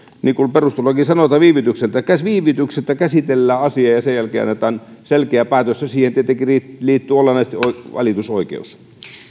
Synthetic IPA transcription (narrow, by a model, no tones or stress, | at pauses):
niːkulperust̪ulːɑkisɑnot̪ɑːʋiːʋit̪ykselt̪ækæsʋiːʋit̪ykselt̪ækæsit̪elːæːɑsiɑjɑsejjælkeːɑ̰nːet̪ɑːnselkeæpæːt̪østæsiːhent̪iet̪ːˑeŋkiriːliːt̪ːyolenɑist̪ioiʋɑ̰lit̪usoikḛus